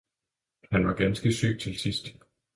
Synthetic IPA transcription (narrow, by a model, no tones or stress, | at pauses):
hænʋɑ̈ɡ̥ænsɡ̥əsy̰ːt͡sʰe̝lsisd̥